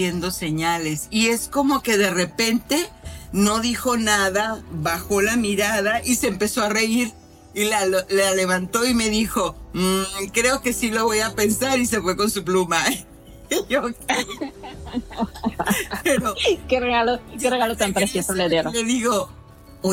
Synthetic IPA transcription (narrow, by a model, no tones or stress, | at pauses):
e̞nd̪o̞se̞ɲale̞sie̞sko̞mo̞ke̞ðe̞re̞pe̞nt̪e̞no̞ðixo̞naðaβaxo̞lamiɾaðaʔise̞ːmpe̞so̞are̞iɾ | ilalale̞βant̪o̞ime̞ðixo̞ | kɾe̞o̞ke̞silo̞βo̞jape̞nsaɾis̬e̞fwe̞ko̞nsup̬luma | joka | pe̞ɾo̞kereɣalokereɣalot̪ampɾesjesoleðeɾeðiɣo | o